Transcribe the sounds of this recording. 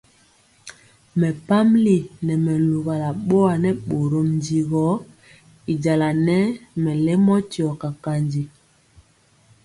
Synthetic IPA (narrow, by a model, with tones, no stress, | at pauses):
mɛ˨pa˦m˦li˨nɛ˨mɛ˨lu˨ɣa˨la˨ɓo˦a˨nɛ˦ɓo˨ɾo˨mn˦di˨ɣɔ˨˦ | i˨d͡ʒa˨la˨nɛ˦mɛ˨lɛ˦mɔ˦ti˨ɔ˨ka˨ka˨nd͡ʒi˨